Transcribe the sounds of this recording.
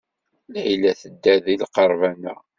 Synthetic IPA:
lʕilæθəd̪ːæðilqəɾˤvænæ̰

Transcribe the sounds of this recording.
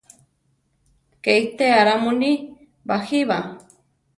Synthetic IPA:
keit̪eaɾamuni | baxiβa

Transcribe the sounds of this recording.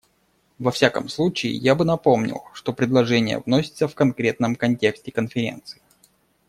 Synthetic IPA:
vɐfsʲakə̰mslˠut͡ɕɪɪ̰jabɨnɐpo̞mnʲɪ̰lˠʂt̪o̞pɾʲɪd̪lˠɐʐɛnʲɪjə̰vnosʲɪ̥t̪səfkɐnkɾʲe̞t̪̚nəmkɐnʲtʲe̞ksʲtʲɪkənfʲɪɾʲe̞̰nt̪sɨ̥ɪ

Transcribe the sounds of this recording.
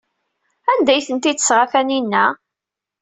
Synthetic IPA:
ænd̪æjθənt̪id̪əsʁafæninːæ

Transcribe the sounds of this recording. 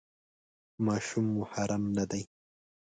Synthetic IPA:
mɑːʃumːʊħaɾamnɐd̪aj

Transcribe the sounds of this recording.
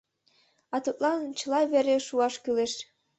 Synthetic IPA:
ɑt̪ut̪lɑnt͡ɕəlɑβeɾeʃuɑʃkyleʃ

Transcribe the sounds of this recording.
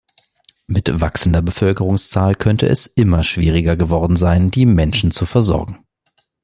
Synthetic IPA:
mɪtv̥aksn̩dɐbəfœlkəʁʊŋst͡saːlkʰœntʰə̰ʔɛ̰sʔɪmɐʃv̥ḭːʁɪɡɐɡəvɔɐdn̩zaɪndiːmɛnʃn̩t͡sufɛɐzɔ̰ɐ̰ɡŋ̩

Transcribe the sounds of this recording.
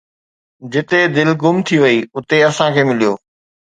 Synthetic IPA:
d͡ʑɪt̪ed̪ɪlɡʊmt̪ʰiʋɐiʊt̪eɐsãkʰeːmɪlijoː

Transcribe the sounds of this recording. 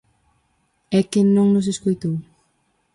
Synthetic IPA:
ɛkɪnõŋnʊs̬eskojt̪ow

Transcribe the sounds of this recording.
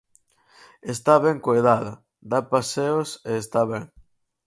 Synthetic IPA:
est̪aβɛŋkojðaðɐ | d̪apaseoseːst̪aβɛŋ

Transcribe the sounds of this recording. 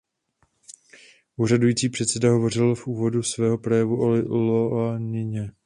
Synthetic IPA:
ʔuːradujiːt͡siːpr̝̥ɛt̪sɛdaɦo̞vo̞rɪlfʔuːvo̞dusvɛːɦo̞pɾojɛvuʔolɪloanɪɲɛ

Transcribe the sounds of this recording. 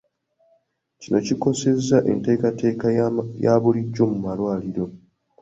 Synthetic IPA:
cino̞ciko̞se̞zːaʔḛnte̞ːkate̞ːkajaːβuliɟːo̞mumalwaːliɾo̞

